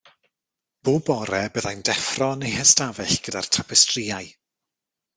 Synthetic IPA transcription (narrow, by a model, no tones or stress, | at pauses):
b̥oːbɔɾɛbəðajndɛfrɔnejhɛstavɛɬɡ̥ədartʰapʰɛstʰriːaj